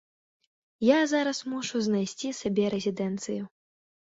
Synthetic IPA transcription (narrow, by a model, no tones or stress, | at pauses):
jazaɾɐsmɔʂuznajsʲt͡sʲisabʲɛɾɛzʲid̪ɛnt̪sɨju